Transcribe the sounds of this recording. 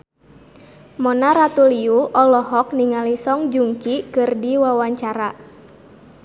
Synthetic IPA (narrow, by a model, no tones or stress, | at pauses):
mɔnaɾat̪uliuʔɔlɔɦɔk̚niŋalisɔŋd͡ʒuŋkikɨrdiwawaɲt͡ʃaɾa